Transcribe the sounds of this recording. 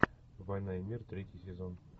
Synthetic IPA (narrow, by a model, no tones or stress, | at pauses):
vɑjnɑjemʲirt̪rʲetʲijsʲezon